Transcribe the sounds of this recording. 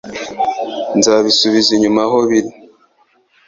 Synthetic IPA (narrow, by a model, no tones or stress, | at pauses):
nzaβisuβiziɲumaɦoβiɾi